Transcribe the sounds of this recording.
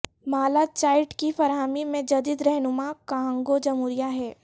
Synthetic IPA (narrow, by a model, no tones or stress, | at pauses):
maːlat͡ʃaːɪʈkifɐɾɦaːmimẽd͡ʒɐd̪iːd̪ɾɛɦnʊmakaɦə̃ŋɡod͡ʒɐmuːɾijaɦɛː